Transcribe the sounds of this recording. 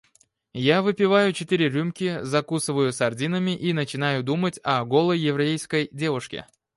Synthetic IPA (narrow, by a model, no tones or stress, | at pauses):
javɨpʲɪvajʊt͡ɕɪt̪iɾʲɪɾʲumʲkʲɪzɐkusɨvəjʊsɐrdʲinəmʲɪʔinət͡ɕɪn̪ajʊd̪umətʲɐɡolˠəjɪvɾɐejskəjdʲe̞vʊʂkʲɪ̰